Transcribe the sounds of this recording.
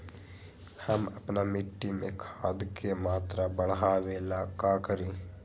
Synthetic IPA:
həmɐpnamɪʈːimẽkʰaːd̪kemaːt̪ɾabəɽ̤ɦaːʋeːlakaːkəɾiː

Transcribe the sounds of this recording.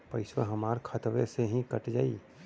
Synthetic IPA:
pəɪswə̰ɦəmaːɾkʰət̪ʋeseɦĩkəʈd͡ʒaːi

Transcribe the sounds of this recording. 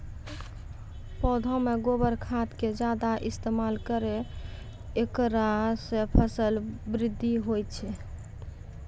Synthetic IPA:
pɔd̪ʱɔ̃meɡobəɾkʰat̪ked͡ʒad̪aʔist̪emalkəɾeː | kɾasepʰəsəlbɾid̪ʱːiɦojt͡ʃʰɛ

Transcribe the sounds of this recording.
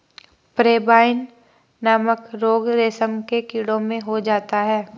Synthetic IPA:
pɾeːbaːɪn | naːməkɾoːɡɾeːsəmkekiːɽõmẽɦod͡ʒaːt̪aɦɛː

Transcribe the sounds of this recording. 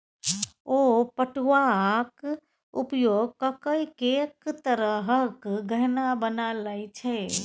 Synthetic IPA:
opəʈʋak | upjoɡ̚kəkəjkekt̪əɾəɦəkɡʱəɦnabənalajt͡ʃʰɛ

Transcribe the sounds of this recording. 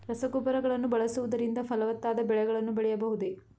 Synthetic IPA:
ɾɐsɐkupɐɾɐɡɐɭɐnːubɐɭɐsuʋud̪ɐɾind̪ɐfɐlɐʋɐt̪ːaːd̪ɐbɛɭɛɡɐɭɐnːubɛɭɛjɐbɐɦud̪e

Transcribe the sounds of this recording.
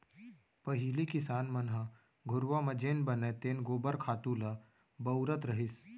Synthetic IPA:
pɐɦilikɪsaːnmɐnɦa | ɡʱʊɾʋamɐd͡ʒeːnbɐnet̪eːnɡoːbəɾkʰaːt̪ula | bɐwɾət̪ɾɐɦɪs

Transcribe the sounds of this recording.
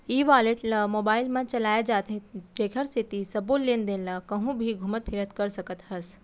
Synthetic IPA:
iːʋaːleʈlamoːbaːɪlmãt͡ʃɐlaːjed͡ʒaːt̪eʈɾeːkʰəɾset̪isɐbollẽːnd̪ẽːnlakɐɦũbʱiɡʱʊmət̪̚pʰɪɾət̪kɐɾsɐkət̪ɦɐs

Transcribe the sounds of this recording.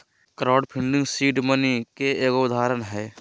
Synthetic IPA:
kɾaːɖpʰɪ̃ɳɖɪ̃ŋɡsiːʈmənikeeːkɡoʊd̪ʱaːɾənɦɛː

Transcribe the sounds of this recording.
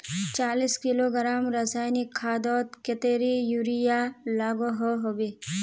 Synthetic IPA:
t͡ʃaːliskiloɡɐɾaːmɾɐsaːjnikʰːaːd̪ɔːt̪ket̪eɾijuɾijalaːɡoɦoɦobi

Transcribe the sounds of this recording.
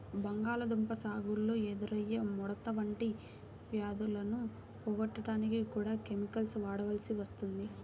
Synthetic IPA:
bɐŋɡaːlɐd̪umpɐsaːɡulːoːed̪uɾɐjːɐmɔɽɐt̪ɐʋɐɳʈi | ʋjaːd̪ulɐnu | pɔːɡɐʈːɐʈaːnikikuːɽaːkemikɐlsʋaːɽɐʋɐlɐsiʋɐst̪und̪i

